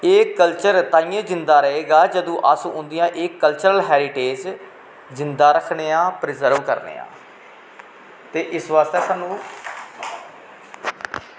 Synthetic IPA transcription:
eːkəlt͡ʃəɾt̪aːijẽːd͡ʒɪnd̪aːɾəɦeːɡaːd͡ʒəd̪õːʔəsʊ̃nd̪ɪjãːʔeːkːəlt͡ʃəɾəlɦɛːɾɪʈeːd͡ʒ | zɪnd̪aːɾəkʰɳeːãːpɾɪzəɾʋkə̰ɾnḛːã̰ː | t̪eːʔɪsʋaːst̪eːsaːnːũː

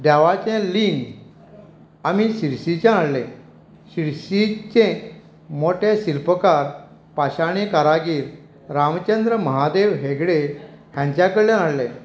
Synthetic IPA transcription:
ɖaʋat͡ɕɛ̃liŋɡ | amiɕiɾsit͡ɕãaɽlẽ | ɕiɾsit͡ɕẽ | moʈeɕilpəkaɾ | paɕaɽ̃ekaɾaɡiːɾ | ɾamt͡ɕend̪ɾəməɦad̪eʋɦeɡɽeɦjãɲt͡ɕjakəɽljãnaɽlẽ

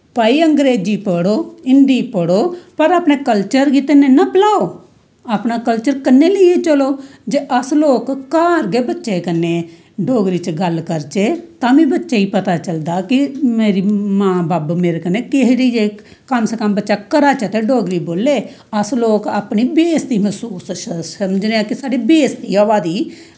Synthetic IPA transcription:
pəːiːəŋɡɾeːd͡ʒiːpəɽoːɪnɖ̪iːpoɽoːpəɾaːpneːkəlt͡ʃəɾɡit̪ɪnẽːnəplaːoː | aːpnaːkəlt͡ʃəɾkənːeːləeːt͡ʃəloːd͡ʒeːʔəsloːkːaːɾɡeːbətːʃeːkənːeː | ɖʱoːɡɾiːt͡ʃɡəlkəɾt͡ʃeːt̪ãːmĩːbətːʃeːiːpət̪aːt͡ʃəld̪aːkɪmeːɾiːmãːbaːbmeːɾekənːeːkeɦɾiiːd͡ʒeː | kəmsəkəmbətːʃaːkəɾaːt͡ʃaːt̪eːɖoːɡɾiːboːlːeː | əsloːkaːpniːbeːsd̪iːməsuːsssəmd͡ʒneːãːkɪsaːɖeːbeːsd̪iːaːʋaːd̪iː

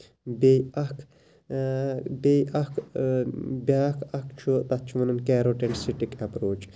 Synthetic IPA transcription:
beɐkʰ | beʔɐk | bʲjaːkʰɐkʰt͡ʃʰut̪ɐt̪̚t͡ʃʰuʋɐnɐnkɛːɾoːʈensiʈikɐpɾoːt͡ʃ

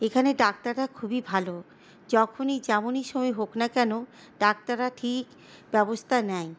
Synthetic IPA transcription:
ekʰaneɖak̚taɾːakʰubibʱalo | d͡ʑɔkʰonid͡ʑɛmoniʃomɔjɦoknakɛno | ɖak̚taɾaʈʰik | bɛbost̪ʰanɛj

